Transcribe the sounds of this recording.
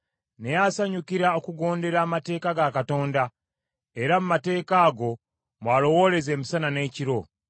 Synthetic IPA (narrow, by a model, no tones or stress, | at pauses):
nejasaɲukiɾaokuɡo̞ːnde̞ɾaːmate̞ːkaɡakato̞ːnda | e̞ɾamumate̞ːkaːɡo̞ | mwaːlo̞wo̞le̞ze̞ːmisanane̞ːciɾo̞